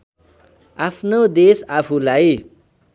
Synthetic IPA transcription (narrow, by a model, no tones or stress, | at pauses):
apʰnod̪esapʰulaj